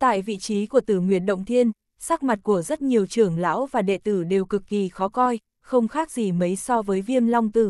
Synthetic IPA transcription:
t̪a̰ː˧˨jvḭ˧˨t͡ɕi˨˦ku˧˩ət̪ɨ˧˩ŋwḭ˧˩ənɗə̰˧˨wŋ͡mt̪ʰi˧ən | saː˦˥k̚ma˨˩t̚ku˧˩əzə˦˥t̚ɲi˨˩əwt͡ɕɨ˧˩əŋla̰ː˧˥wvaː˨˩ɗḛ˧˨t̪ɨ˧˩ɗe˨˩wkɨ˨˩kːi˨˩xɔ˨˦kɔ˧j | xə˧wŋ͡mxaː˦˥k̚zi˨˩mə˨˦jsɔ˧vəː˨˦jvi˧əmla˧wŋ͡mt̪ɨ˧˩

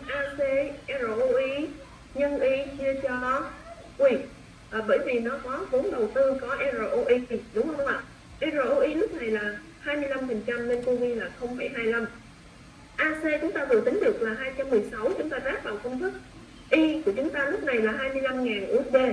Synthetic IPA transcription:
ʔaː˧se˧ʔɛ˧zo˨˩ʔo˧ʔi˧ | ɲə˧ŋʔi˧t͡ɕi˧ət͡ɕɔ˧ | ʔwi˧˩ | ʔəː˨˩ɓəː˧˩jvi˨˩nɔ˨˦kɔ˨˦vo˨˦nɗə˨˩wt̪ɨ˧kɔ˨˦ʔɛ˧zo˨˩ʔo˧ʔi˧ɗʊ˨˦ŋ͡mhə˧ŋ͡mŋ͡ma̰ː˧˨˩ | ʔɛ˧zo˧˩ʔo˧ʔi˧nɨ˦˥k̚na˨˩jlaː˨˩ | haː˧jmɨ˧əjla˧mfə˨˩nt͡ɕa˧mne˧nko˧vi˧laː˨˩xə˧wŋ͡mɓi˧˩ɦaː˧jla˧m | ʔaː˧se˧t͡ɕʊ˨˦ŋ͡mt̪aː˧vɨ˨˩˨t̪ï˨˦ŋ̟ɗɨ˨˩ək̚laː˨˩ɦaː˧jt͡ɕa˧mːɨ˨˩əjsa˨˦wt͡ɕʊ˨˦ŋ͡mt̪aː˧zaː˦˥k̚vaː˨˩wkə˧wŋ͡mfɨ˦˥k̚ | ʔi˧ku˧˩ət͡ɕʊ˨˦ŋ͡mt̪aː˧nɨ˦˥k̚na˨˩jlaː˨˩ɦaː˧jmɨ˧əjla˧mŋaː˨˩nʔu˨˦˥ək̚ze˧

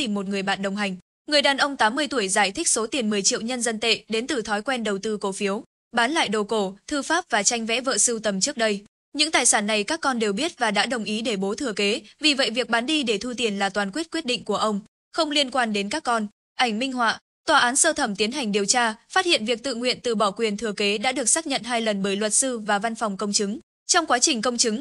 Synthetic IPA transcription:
t̪i˨˩mːo˨˩t̚ŋɨ˨˩əjɓa̰ː˧˨nɗə˨˩wŋ͡mɦa˨˩jŋ̟ | ŋɨ˨˩əjɗaː˨˩nʔə˧wŋ͡mt̪aː˨˦mːɨ˧əjt̪u˧˩əjzaː˧˩jt̪ʰï˦˥k̚so˨˦t̪i˨˩ənmɨ˨˩əjt͡ɕḭ˧˨əwɲə˧nzə˧nt̪ḛ˧˨ɗe˨˦nt̪ɨ˨˩t̪ʰɔ˨˦jkwɛ˧nɗə˨˩wt̪ɨ˧ko˨˦fi˨˦əw | ɓaː˨˦nla̰ː˧˨jɗo˨˩ko˧˩t̪ʰɨ˧faː˦˥p̚vaː˨˩t͡ɕa˧jŋ̟vɛ̰˧˥və̰ː˧˨sɨ˧wt̪ə˨˩mt͡ɕɨ˦˥ək̚ɗə˧j | ɲɨ̰˧˥ŋt̪aː˨˩jsaː˧˩nːa˨˩jkaː˦˥kːɔ˧nɗe˨˩wɓi˦˥ət̚vaː˨˩ɗa̰ː˧˥ɗə˨˩wŋ͡mʔi˨˦ɗe˧˩ɓo˨˦t̪ʰɨ˧˩əke˨˦vi˨˩və̰˧˨jvi˨˩ək̚ɓaː˨˦nɗi˧ɗe˧˩t̪ʰu˧t̪i˨˩ənlaː˨˩t̪waː˨˩nkwi˦˥t̚kwi˦˥t̚ɗḭ˧˨ŋ̟ku˧˩əʔə˧wŋ͡m | xə˧wŋ͡mli˧ənkwaː˧nɗe˨˦nkaː˦˥kːɔ˧n | ʔa˧˩jŋ̟mï˧ŋ̟ɦwa̰ː˧˨ | t̪waː˨˩ʔaː˨˦nsəː˧t̪ʰə˧˩mt̪i˨˦ənɦa˨˩jŋ̟ɗi˨˩əwt͡ɕaː˧faː˦˥t̚hḭ˧˨ənvi˨˩ək̚t̪ɨ̰˧˨ŋwḭ˧˨ənt̪ɨ˨˩ɓɔ˧˩kwi˨˩ənt̪ʰɨ˨˩əke˨˦ɗa̰ː˧˥ɗɨ˨˩ək̚saː˦˥k̚ɲə̰˧˨nɦaː˧jlə˨˩nɓəː˧˩jlwə˨˩t̚sɨ˧vaː˨˩va˧nfɔ˨˩wŋ͡mkə˧wŋ͡mt͡ɕɨ˨˦ŋ | t͡ɕɔ˧wŋ͡mkwaː˨˦t͡ɕï˨˩ŋ̟kə˧wŋ͡mt͡ɕɨ˨˦ŋ

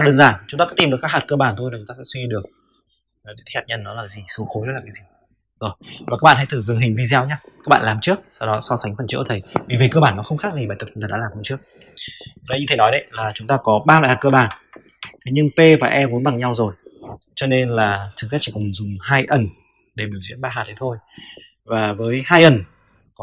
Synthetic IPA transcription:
a˧ɗəː˧nzaː˧˩nt͡ɕʊ˨˦ŋ͡m̪a˧kɔ˧˥i˧mɗɨ˨˩əkːaː˦˥haː˨˩t̚kəː˧ɓaː˨˩nt̪ʰo˧ja˨˩t͡ɕʊ˨˦ŋ͡mt̪aː˧sɛ̰˧˥swi˧i˧ɗɨ˨˩ək̚ː | ɗt̪ʰːhaː˨˩t̚ɲə˧˨nːɔ˨˦laː˨˩kaː˨˦zi˨˩so˨˦xo˨˦jzə˦˥laː˨˩kːaː˨˦jzi˨˩ | zo˨˩jvaː˨˩kaː˦˥ɓ̰aː˧˨nha˧jt̪ʰzɨ˨˧˨ŋɦï˨˩ŋ̟vi˧za˧wɲaː˧ka˦˥k̚ɓa̰ː˧˨laː˨˩mt͡ɕɨ˦˥ək̚sa˧wɗɔ˨˦sɔ˧sa˨˦jŋ̟fə˨˩nt͡ɕɨ̰˧˥t̪ʰə˨˩jvi˧˨˩vi˨˩kəː˧ɓaː˧˩nːɔ˨˦xə˧wŋ͡mxaː˦˥k̚zi˨˩ɓaː˨˩t̪ə˨˩t͡ɕi˨˦t̪ʰə˨˩ɗ̰a̰ː˧lːmhə˧˩ŋ͡mt͡ɕɨ˦˥ək̚ | vaː˨˩˦ɲɨ˧e˨˦nɔ˨˦jɗə̰˧˦jlaː˨˩t͡ɕʊ˨˦ŋ͡mt̪aː˧kɔ˨˦ɓaː˧la̰˧˨jha˨˩kə˧ɓaː˨˩n | t̪ʰjɲɨ˧ŋpe˧vaː˨˩ʔɛ˧vu˨˦nɓa˨˩ŋɲa˧wzo˨˩jt͡ɕɔ˧ne˧nlaː˨˩t͡ɕɨ˨˩zʰi˦˥t͡ɕḭ˧˩kʊ˨˩ŋ͡mzʊ˨˩ŋ͡mhaː˧jʔə˨˩n | ɗe˧˩ɓi˧˩əwzwḭ˧˥ənɓaː˧aː˨˩t̪̚ə˨˦jt̪ʰo˧j | vaː˨˩vəː˨˦jhaː˧jʔə˨˩n | kɔ˨˦

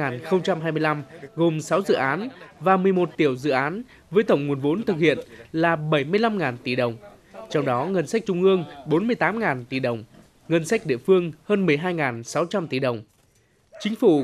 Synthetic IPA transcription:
aː˨˩nxə˧wŋ͡mt͡ɕa˧mɦaː˧jmɨ˧jla˧mɣo˨˩msa˨˦wzɨ̰˧˨ʔaː˨˦nvaː˨˩mɨ˨˩əjmo˨˩t̚t̪i˧˩əwzɨ̰˧˨ʔaː˨˦n | vəː˨˦jt̪ə˧˩wŋ͡mŋu˨˩ənvo̰˨˦nt̪ʰɨ˨˩k̚hḭ˧˨ənlaː˨˩ɓə˧˩jmɨ˧əjla˧mŋaː˨˩nt̪i˧˩ɗə˨˩wŋ͡m | t͡ɕɔ˧wŋ͡mɗɔ˨˦ŋə˧nsa˦˥k̟̚t͡ɕʊ˧ŋ͡mʔɨ˧əŋɓo˨˦nmɨ˧əjt̪aː˨˦mŋaː˨˩nt̪i˧˩ɗə˨˩wŋ͡m | ŋə˧nsa˦˥k̟̚ɗḭ˧˨əfɨ˧əŋhəː˧nmɨ˨˩əjɦaː˧jŋaː˨˩nsa˨˦wt͡ɕa˧mt̪i˧˩ɗə˨˩wŋ͡m | t͡ɕï˨˦ŋ̟fu˧˩

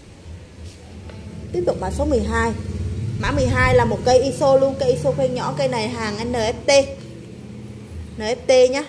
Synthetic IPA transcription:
t̪i˦˥əp̚t̪ʊ˨˩k͡p̚laː˨˩so˨˦mɨ˨˩əjɦaː˧jma̰ː˧˥m˨˩əjɦaː˧jlaː˨˩mo˨˩t̚kə˧jʔi˧so˧lu˧ənkəː˧jʔi˧so˧xwɛ˧nɲɔ̰˧˥kə˧jna˨˩jɦaː˨˩ŋʔa˧nəː˨˩˦e˧ | nəː˨˩ʔɛ˦˥p̚t̪e˧ɲaː˧˦

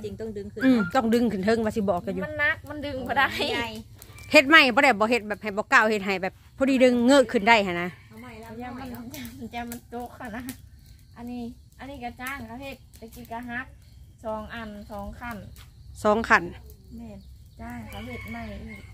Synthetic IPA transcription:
i˨ŋt̪ɔ˧˨ŋdɯ˧ŋʰ˧ʔɯː˧˩mt̪ɔː˧˩ŋdɯ˧˨ŋkʰɯ˧˩˨nt̪ʰɤ˧˥˨ŋwaː˧˨si˧˩bɔː˨kkːa˧ju˧a˧˥˨nːa˧˥k̚ma˧˥˨ndɯ˧˨ŋbɔ˧da˧˨a˨˩˧j | he˧t̪̚ma˧˩jbɔː˧˦ɾa˧˩jbɔː˧˦ɦe˧t̪̚bɛː˨˩p̚ha˨˩jbɔː˧˦kaː˧˩˨whe˧t̪̚ɦa˨˩jbɛː˨˩p̚ʰːɔː˧˨diː˧dɯ˧ŋːɤː˧˥˨kʰɯ˧˩nda˧˩˨jha˧˩na˧ | a˧˨ma˧˩a˧˩ɲa˧˩ma˧˨t͡ɕa˧˩ma˧˨nto˧˦k̚ha˧˩na˧ | ʔa˧˨nːiː˧˩˨ | ʔa˧˨nːiː˧˩ka˧˩t͡ɕaː˧˩˨ŋkʰa˧˩he˧t̪̚ta˧˩kiː˧ka˧ɦa˧˦˥k̚ | sɔː˨˦ŋʔa˧˩nsɔː˨˦ŋkʰa˧˩nsɔː˨˦ŋkʰa˧˩˨nmɛː˧˩˨n | t͡ɕaː˧˩˨ŋkʰa˧˩he˧˩t̪̚ma˧˩jiː˧˩

